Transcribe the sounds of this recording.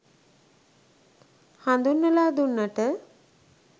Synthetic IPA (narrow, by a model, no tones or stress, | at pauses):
hand̪unːəlaːd̪unːəʈə